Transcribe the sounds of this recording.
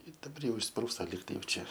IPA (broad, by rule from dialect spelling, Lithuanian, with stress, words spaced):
ɪ dɐˈbɐr ˈjɛʊ ɪʃsˈpruːstɐ ˈlʲiːk tɐɪ jɛʊ ˈt͡ʃʲɛ